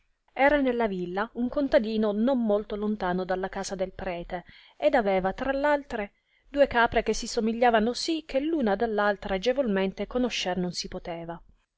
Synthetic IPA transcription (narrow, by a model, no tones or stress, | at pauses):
ɛːɾanelːavilːauŋkont̪ad̪iːnonommolt̪olont̪aːnod̪alːakaːsad̪elpɾɛːt̪e | ed̪avɛːvat̪ɾalːalt̪ɾe | d̪uːekaːpɾek̟esːisomiʎːaːvanosikʰːelːuːnad̪alːalt̪ɾad͡ʒevolment̪ekonoʃːernonsipot̪ɛːva